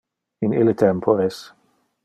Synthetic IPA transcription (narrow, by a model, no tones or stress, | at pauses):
inilet̪ʰɛmpʰoɾes